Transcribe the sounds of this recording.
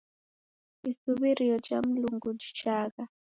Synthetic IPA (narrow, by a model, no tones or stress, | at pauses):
isuβiɾiɔd͡ʒa̰m̩luŋɡud͡ʒi̥t͡ʃaka